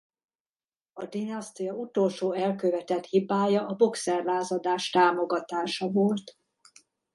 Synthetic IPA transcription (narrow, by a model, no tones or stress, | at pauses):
ɒd̪inɒst̪ijɒut̪o̞lʃoːɛlkøvɛt̪ɛt̪hibaːjɒʔɒbo̞ksɛrlaːzɒd̪aːʃt̪aːmo̞ɡɒt̪aːʃɒvolt̪